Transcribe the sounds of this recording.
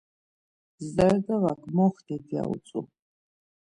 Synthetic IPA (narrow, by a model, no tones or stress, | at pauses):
zd̪aɾɡavakʰʼmɔχd̪ɛt̪ʰia̰ṵt͡sʼṵ